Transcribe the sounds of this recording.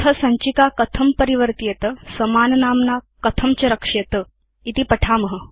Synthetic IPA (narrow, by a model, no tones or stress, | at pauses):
t̪ʰəsɐ̃ɲt͡ɕikakət̪ʰəmpəɾiʋəɾt̪ijet̪əsəmaːnnaːmna | kət̪ʰəmt͡ɕɐɾəkʂet̪ə | it̪iːpəʈʰaːməɦə